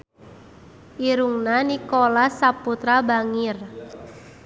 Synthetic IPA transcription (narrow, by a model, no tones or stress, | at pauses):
ʔiɾuŋnanikolasaput̪ɾabaŋir